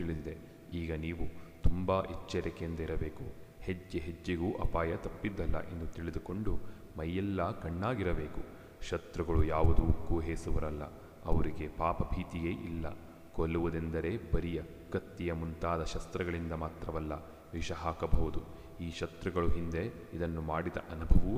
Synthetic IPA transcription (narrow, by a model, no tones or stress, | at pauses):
iɭid̪id̪e̞ | iːɡɐniːʋut̪umbaːʔit͡ʃːɐɾɐkeɐnd̪ɐiɾɐbe̞ːkuhed͡ʒːeɦed͡ʒːiɡuːʔɐ̰paːjɐt̪ɐpːid̪ːɐlːɐ̰ʔend̪ut̪iɭid̪uko̞ɳɖu | mɐjːɛlːɐkɐɳːaːɡiɾɐbe̞ːku | ʃɐt̪ɾuɡɐɭujaːʋud̪uːkːuɦeːsuʋɐɾɐlːɐ̰ | ɐʋɐɾiɡe̞paːpɐbʱiːt̪ijeːʔilːɐ̰ | kolːuʋɐd̪end̪ɐɾe̞ːbɐɾijɐ | ɡ̥ɐt̪ːijɐmunt̪aːd̪ɐʃɐst̪ɾɐɡɐɭind̪ɐmaːt̪ɾɐʋɐlːɐ̰ | ʋiʃɐɦaːkɐbʱɐʋud̪u | iːʃɐt̪ɾɐɡɐɭuɦind̪e̞ | id̪ɐnːumaːɽid̪ɐ̰ʔɐnubʱɐʋu